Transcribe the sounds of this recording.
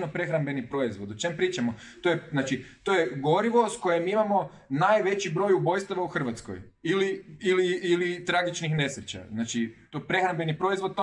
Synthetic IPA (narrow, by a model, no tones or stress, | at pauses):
nopɾe̞xɾambe̞nipɾo̞izʋo̞d̪ot͡ʃempɾiːt͡ʃamo | t̪ojeznaːt͡ʃit̪ojeɡo̞ɾiʋo̞sko̞jemimamo̞ | naːjʋe̞t͡ɕibɾo̞jubo̞jst̪oʋauxr̩ʋat̪sko̰j | iliiliːlit̪ɾaɡit͡ʃnixne̞sɾet͡ɕa̰znaːt͡ʃit̪opɾe̞xɾambe̞nipɾo̞izʋo̞d̪̚t̪